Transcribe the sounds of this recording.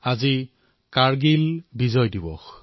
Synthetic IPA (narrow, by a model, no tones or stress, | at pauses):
azi | kaɹɡilbizɔjdibɔ̰x